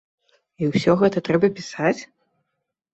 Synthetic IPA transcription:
iwsʲɔɣɛt̪ɐt̪ɾɛbɐpʲisat͡sʲ

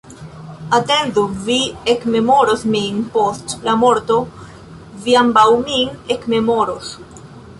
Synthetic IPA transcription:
ate̞ndoviekme̞moɾosminpostlamo̞ɾto̞ | viambawminekme̞mo̞ɾos

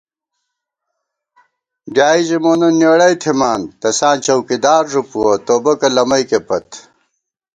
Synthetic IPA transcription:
bjaːid͡ʑimoːnɐnjeɽɐjt̪ʰimaːnt̪ɐsaːnt͡ɕɐwkid̪aːɾʐupuɐt̪oːbɐkɐlɐmɐjkepɐt̪

